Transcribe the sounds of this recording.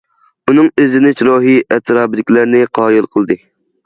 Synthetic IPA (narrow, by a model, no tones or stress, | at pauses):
unɨŋøzɪnɪt͡ʃɾoːɦiʔɛt̪ʰɾɑːbɪd̪ɪkʲlæɾnɪqʰɑːjilˠqʰəlˠd̪ɨ